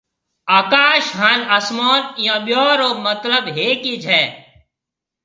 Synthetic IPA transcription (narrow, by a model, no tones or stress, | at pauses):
aːkaːʃɦaːnɐsmoːnjãːɓɪjoːɾoːmət̪ləbɦeːkid͡ʒʱɛː